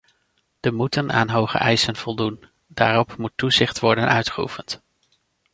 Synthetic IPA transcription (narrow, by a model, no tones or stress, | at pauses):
d̥əmutəna̰ːnɦowχə̰ʔɛjsənv̥ɔlˠdun | da̰ːrɔpmutːuzɪχtʋɔɹdənʔœɥtχəṵfənt